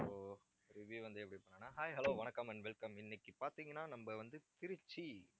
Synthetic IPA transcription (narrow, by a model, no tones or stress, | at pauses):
oː | ɾɪʋjuːʋɐnd̪ɯɛpːɐɽipɐɳːaːnːaːɦaːjɦɐloːʋɐnɐkːɐmɐnʋɛlkɐmɪnːɪkːɯpaːɾt̪iːŋɡɐnːaːnɐmbɐʋɐnd̪ɯt̪ɪɾɯt͡ʃːi